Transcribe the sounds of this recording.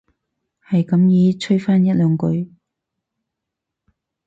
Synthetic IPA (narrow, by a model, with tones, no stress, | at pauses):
hɐ˨jkɐ˨˥mjiː˨˥t͡ʃʰɵ˥ɥfaː˥njɐ˥t̚lœː˨˧ŋkɵ˨˥ɥ